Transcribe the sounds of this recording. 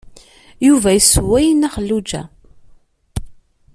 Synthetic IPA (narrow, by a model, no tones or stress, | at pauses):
juvæjəswæjnæχəlːud͡ʒæ̰